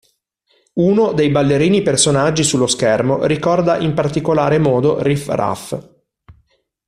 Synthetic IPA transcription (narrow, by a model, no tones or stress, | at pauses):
unod̪ejbalːeɾiːnipersonad͡ʒːisulːoskɛrmorikɔrd̪aʔimpart̪ikolaːɾemɔːd̪orifra̰f